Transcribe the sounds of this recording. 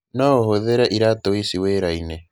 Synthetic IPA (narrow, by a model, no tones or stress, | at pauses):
nɔohoðeɾɛʔiɾatoisiweɾaine